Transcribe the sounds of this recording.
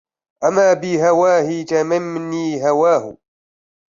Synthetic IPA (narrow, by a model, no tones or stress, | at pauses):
ʔamaːbɪɦawaːhɪt̪amanniːɦawaːhʊ̰